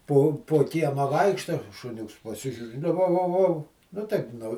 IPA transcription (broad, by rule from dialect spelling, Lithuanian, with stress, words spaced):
ˈpoː poː ˈkʲiɛmɑː ˈʋɐɪkʃtɐ ʃʊˈnʲʊks pɐˈsʲɪʒʲuːrʲɪ nʊ ˈʋɐʊ ˈʋɐʊ ˈʋɐʊ ˈnʊ tɐɪp nʊ